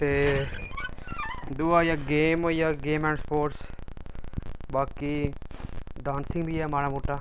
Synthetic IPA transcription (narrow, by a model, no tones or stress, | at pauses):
t̪e | d̪uajaɡeːmojaɡeːmɛ̃ːɳʈspoːʈs | baːki | ɖaːnsɪ̃ŋɡbʱiɛmaːɽamuʈːa